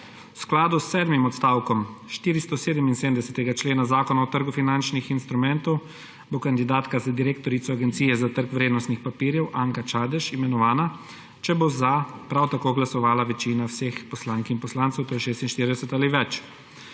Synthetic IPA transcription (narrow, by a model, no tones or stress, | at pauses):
wsklaːd̪usːɛːd̪mimɔt̪st̪aːwkɔmʃt̪iːɾist̪ɔseːd̪əminsedmd̪ɛsɛt̪ɛɡat͡ʃleːnazaːkɔnaɔt̪əɾɡufinant͡ʃnixinst̪ɾumɛ̃nt̪ɔw | bokand̪id̪aːt̪kazad̪iɾeːkt̪ɔɾitsɔaɡɛnt̪siːjɛzat̪əɾkʋɾeːd̪nɔst̪nixpapiːɾjɛwʔaŋkat͡ʃaːd̪ɛʃimɛnɔʋaːna | t͡ʃɛbozapɾawt̪akoːɡlasɔʋaːlaʋɛt͡ʃiːnawseːxpɔslaŋkinpɔslantsɛwt̪oːjɛʃeːst̪inʃt̪iɾid̪ɛsɛt̪aːliʋɛt͡ʃ